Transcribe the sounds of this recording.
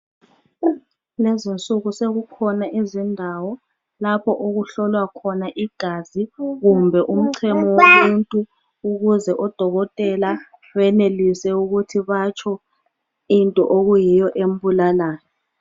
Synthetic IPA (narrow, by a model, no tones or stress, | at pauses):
lezint͡sʼuɣuseɣukʰɔnaʔizindʱawɔ | lapʰɔʔoɣuɬɔlwakʰɔnaʔiɡ̥ʱaziɣumbʱɛʔum̩ǀʰɛmɔwomuntʼu | uɣuzɛʔɔd̥ʱɔɣɔtʼɛla | wɛnelisɛuɣutʰiβat͡ʃʰɔ | intʼɔʔoɣujijɔʔem̩bulalaːjɔ